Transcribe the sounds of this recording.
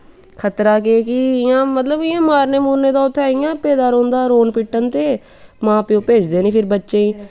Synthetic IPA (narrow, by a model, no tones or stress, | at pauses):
kʰət̪ɾaːkeːkɪɪjãːmət̪ləbɪjãːmaːɾneːmuːnːeːd̪aːʊt̪ʰːeaːɪjãːpeːd̪aːɾõːnd̪aːɾoːnpɪʈːənt̪eː | mãːpeõːpeːd͡ʒd̪eːnĩːpʰɪɾbətːʃẽːĩː